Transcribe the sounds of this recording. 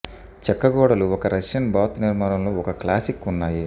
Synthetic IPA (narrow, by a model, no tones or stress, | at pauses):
t͡ʃɛkːɐɡɔːɽɐluɔkɐɾʔɐʂjɐnbaːt̪niɾmaːɾɐmloːɔkɐklaːsikːunːaːji